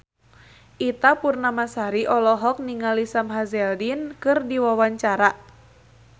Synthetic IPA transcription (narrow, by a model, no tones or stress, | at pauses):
ʔit̪apurnamasaɾiʔɔlɔɦɔk̚niŋalisamɦazɛldinkɨrdiwawaɲt͡ʃaɾa